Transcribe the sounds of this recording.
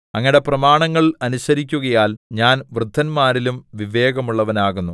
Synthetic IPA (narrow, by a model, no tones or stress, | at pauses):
ɐŋːɐiɽe̞prɐmaːɳɐŋːɐɭɐnusɐɾikʲːuɣɐjaːlɲaːnʋrɨd̪ʱːɐnmaːɾilumʋiʋe̞ːɡɐmuɭːɐʋɐnaːɣunːu